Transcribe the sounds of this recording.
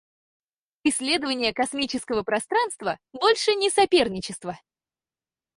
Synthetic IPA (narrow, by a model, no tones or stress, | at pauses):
ɪsʲːlʲe̞d̪əvənʲɪjəkɐsmʲit͡ɕɪskəvəpɾɐst̪ɾanst̪vəbo̞lʲʂɨnʲɪsɐpʲe̞rnʲɪt͡ɕɪst̪və